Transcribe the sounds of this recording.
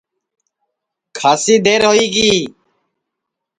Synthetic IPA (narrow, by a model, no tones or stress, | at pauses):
kʰaːsiːd̪eːɾɦoːiːɡiː